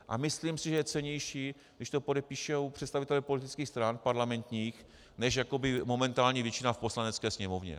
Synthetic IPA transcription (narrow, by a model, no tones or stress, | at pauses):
ʔa̰mɪsliːmsɪʒɛjɛt͡sɛɲɛjʃiː | ɡdɪʃt̪o̞podɛpiːʃowpr̥ɛt̪st̪avɪt̪ɛlɛpo̞lɪt̪ɪt͡skiːxst̪ɾanpaɾlamɛnt̪ɲiːx | nɛʃjako̞bɪmo̞mɛnt̪aːlɲivjɛt͡ʃɪnafpo̞slanɛt͡skɛːsɲɛmovɲɛ̰